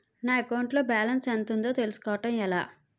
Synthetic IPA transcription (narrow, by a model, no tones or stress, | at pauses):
naːɐkɐwɳʈlo̞ːbaːlɐnsɐnt̪und̪oːt̪elusu̥kɔːʋɐʈɐmɛla̰ː